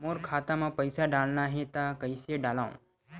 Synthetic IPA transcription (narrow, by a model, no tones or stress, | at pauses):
moːɾkʰaːt̪amãpəɪsaɖaːlnaɦet̪akəɪseɖaːlaːõ̰